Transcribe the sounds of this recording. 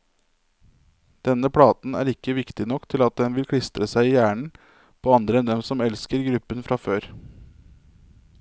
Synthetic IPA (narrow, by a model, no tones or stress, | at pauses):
d̪̥ɛnəpʰɽɑːt̪n̩æ̰ːɾɪkːəʋɪkt̪ɪnɔkt̪ʰɪlɑt̪̚d̪ɛnʋɪlkʰɽɪst̪ɾəsæɪiːjæːɳɳ̩ | pʰoːɑnd̪ɾəɛnd̪ɛmsɔmɛlskəɾɡɾʉpːənfɾʔɑːføːɾ